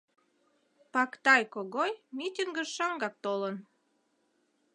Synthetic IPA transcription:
pɑkt̪ɑjkoɣojmit̪ʲiŋɡəʃʃɑŋɡɑk̚t̪olən

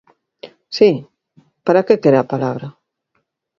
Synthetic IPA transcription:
si | paɾakekeɾeapalaβɾɐ

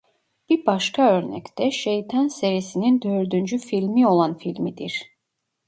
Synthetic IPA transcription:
b̥iɾbaʃkʰaøɾnɛ̰ct̪ʰɛʃejt̪ʰanseɾiesinind̪øɾd̪ynd͡ʒyfilʲmio̞lˠanfilʲmid̪iɾ̥

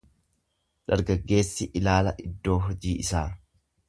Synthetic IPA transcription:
ᶑɐɾɡɐɡːe̞ːsːɪʔɪlaːlɐʔɪd̪ːo̞ːɦɔd͡ʒiːɪsaː

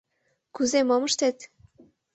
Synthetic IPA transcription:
kuzemoməʃt̪et̪

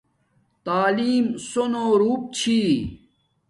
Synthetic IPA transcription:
t̪aːliːmsonoːɾuːp̚t͡ɕʰiː

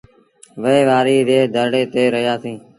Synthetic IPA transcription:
ʋəeːʋaːɾiːɾeːd̪ʱəɾɽeːt̪eːɾəɦjaːsĩː

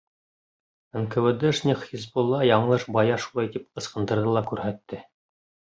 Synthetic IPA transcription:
ɘŋkɘ̆wɘ̆d̪ɘʃnʲiχizbolˠːɑjɑɴɤlˠɤʃbɑjɑʃulˠɑjt̪ip̚qɤ̆sqɤ̆nd̪ɤ̆ɾðɤlˠɑkʉɾɦæt̪ːɘ

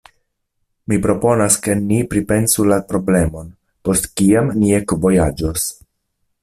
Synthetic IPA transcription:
mipɾo̞po̞naske̞nipɾipe̞nsulapɾo̞ble̞mo̞n | po̞stkiamniekvo̞jad͡ʒos

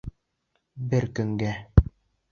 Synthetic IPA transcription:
bɘɾkɵ̆ŋɡæ

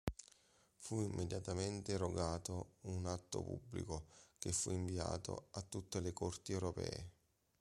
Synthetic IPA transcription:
fuimːʔed̪jat̪ament̪eɾoɡaːt̪ounat̪ːo̰pṵbːlḭkok̟efːuiɱvia̰ːt̪o̰at̪ːut̪ːelekort̪iɛwɾopɛ̰ːe

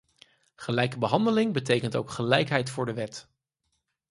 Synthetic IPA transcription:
χəlɛjkəbəɦɑndəlɪŋbətejkənto̰wkχəlɛjkɦɛjtfʊːɹdəʋɛt

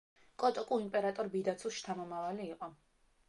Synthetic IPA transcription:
kʼɔt̪ʼɔkʼuimpʼɛɾat̪ʼɔɾbid̪at̪sʰusʃt̪ʰamɔmavaliːqʼɔ

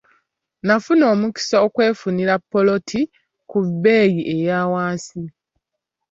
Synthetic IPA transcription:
nafuno̞ːmuki̥saokwe̞ːfuniɾapːo̞lo̞tʰi | kubːe̞ːjiʔe̞jaːwaːsi

